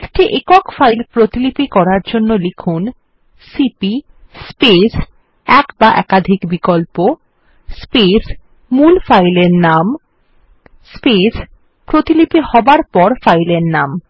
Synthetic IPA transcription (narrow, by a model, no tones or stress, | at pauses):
ekʈiʔekɔkfajlpɾot̪ilipikɔɾaɾd͡ʑonːolikʰun | sipi | spes | ɛkbaʔɛ̰kad̪ʱikbikolpo | spes | mulfajleɾnam | spes | pɾot̪ilipihɔbaɾpɔɾfajleɾnam